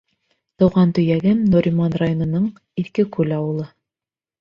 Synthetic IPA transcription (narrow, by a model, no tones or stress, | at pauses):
t̪ɤ̆wʁɑnt̪ɵ̆jæɡɘmnuɾʲimanrajonɤ̆nɤɴ | iθkɘkʉlɑwɤ̆lˠɤ